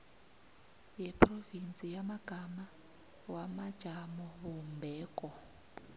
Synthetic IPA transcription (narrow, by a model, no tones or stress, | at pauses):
jɛpʰrɔvint͡sʼijamaɡ̥ʱama | wamad̥ʒ̥ʱamɔβumbʱɛːkʼɔ